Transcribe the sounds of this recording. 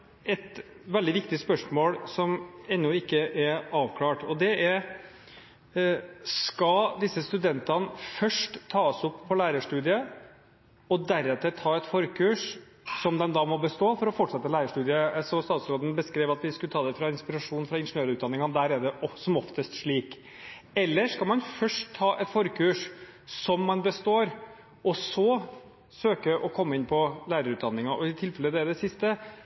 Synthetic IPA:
ɛt̪ | ʋɛld̪ɪʋɪkt̪ɪspœʂmoːlsɔmɛnːʊɪkːəʔɛɾɑːʋkʰlɑːʈɔd̪ɛʔɛɾ | skɑd̪ɪsːəst̪ʉd̪ɛnt̪ɑnfœʂʈt̪ʰːɑːəsɔpʰːɔlæːɾəʂʈʉːd̪ɪə | ɔd̪æɾɛt̪ʰɪt̪ʰɑːɛt̪fɔɾkʰʉːʂ | sɔmd̪ɛnd̪ɑːmɔbəst̪oːfɔɾɔfɔʈːʂɛt̪ːəlæɪɾəʂʈʉːd̪ɪəsɔst̪ɑːt̪sɾoːd̪n̩bəskɾeːʋɑt̪ʋɪskʉət̪ʰɑːd̪ɛfɾɑɪnspɪɾɑʂuːnfɾɑɪnʂnøːlʉːt̪d̪ɑnɪŋɑd̪æːɾɛɖ̪ɛsɔmɔft̪əst̪ʂɭiːk | ɛlːəʂkɑlmɑnfœʂʈʰtʰːɑːʔɛt̪fɔɾkʰʉːʂsɔmːɑnbəst̪oːɾ | ɔsɔ | søːkəʔɔkʰɔmːəɪnːpʰɔlæːɾəɾʉːt̪d̪ɑnːɪŋɑʔɔɪt̪ʰɪlfɛləd̪ɛæɖ̪ɛsɪst̪ə

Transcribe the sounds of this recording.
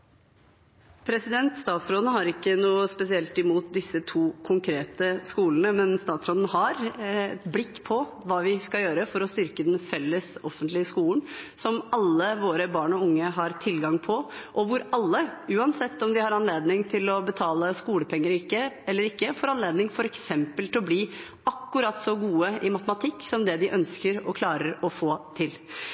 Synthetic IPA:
pʰɾɛsɪd̪ɛnt̪st̪ɑːt̪sɾoːd̪nɦɑɾɪkːənuːəspɛsɪɛlt̪ɪmuːt̪̚d̪ɪsːət̪ʰuːkʰʊŋkʰɾeːt̪əskuːlənəmɛnst̪ɑːt̪sɾoːd̪nɦɑɾɛt̪blɪkːpʰɔ | ʋɑːʋɪskɑljøːɾəfɔɾɔst̪ʏɾkəd̪ɛnfɛlːəsɔfənt̪lɪəskuːln̩sɔmɑlːəʋoːɾəbɑːɳɔʊŋːəɦɑɾt̪ʰɪlɡɑŋpʰɔʔɔʋʊɾɑlːəʉːɑnsɛt̪ːɔmd̪ɪhɑɾɑnleːd̪nɪŋt̪ʰɪlɔbət̪ʰɑːləskuːləpʰɛŋːəɾɪkːəɛlːəɾɪkːəfɔɾɑnleːd̪nɪŋfɔɾɛksɛmpəlt̪ʰɪɔbliː | ɑkːʉɾɑt̪ːsɔɡuːəɪmɑt̪əmɑt̪ʰɪkːsɔmd̪ɛd̪ɪʔœnskəɾɔkʰlɑːɾəɾɔfoːt̪ʰɪl

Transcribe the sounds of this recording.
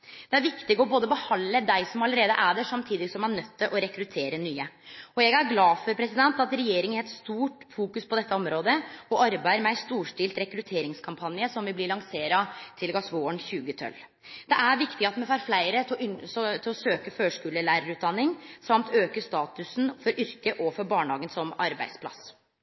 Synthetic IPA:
d̪̥ɛæɾʋɪkt̪ɪɡɔboːd̪əbəhɑnləd̪æɪsɔmɑləɾeːd̪ə̰ʔæːd̪əʂɑmt̪ʰiːd̪ɪɡsɔmæɳœt̪ʰːəʔɔɾɛkɾʉt̪ʰeːɾənyːəɔjɛɡæɾɡlɑːfɔɾpʰɾɛsɪd̪ɛnt̪ɑt̪ɾɛjeːɾɪŋæɾɛt̪st̪uːʈfuːkʉspʰɔd̪ɛt̪ːəɔmɾoːd̪əɔʔɑɾbæɪəɾmæɪst̪uːʂʈɪlt̪ɾɛkɾʉt̪ʰeːɾɪŋskʰɑmpʰɑnɪəsɔmʋɪblɪɭɑŋseːɾɑt̪ʰɪlɡɑsʋoːəɳçʉːɡət̪ʰœ̰l | d̪̥ɛʔæɾʋɪkt̪ɪɡɑt̪mɛfɑːɾflæɪɾəsɔt̪ʰɪlɔsøːkəføːʂkʉːləlæːɾəɾʉːd̪ɑnːɪŋsɑmt̪ʰøːkəst̪ɑːt̪ʉsn̩fɔɾʔʏɾkəʔɔfɔɾbɑːɳhɑːɡənsɔmɑɾbæ̰ɪd̪spʰlɑ̰s

